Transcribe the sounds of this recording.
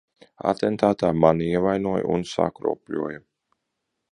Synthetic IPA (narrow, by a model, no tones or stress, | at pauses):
a̰t̪ɛnt̪aːt̪aːmaniɛvajnuɔj̰ṵnsa̰kɾṵɔplṵɔja